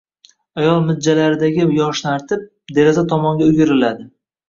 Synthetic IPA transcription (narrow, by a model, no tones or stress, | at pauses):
ajɒlˠmɪd̪̚d͡ʒːalaɾɪd̪aɡʲɪjɒʃnaɾt̪ʰɪp̚ | d̪e̞ɾezat̪ʰɒmɒŋɡʲaʊɡʲɪɾɪlad̪ɪ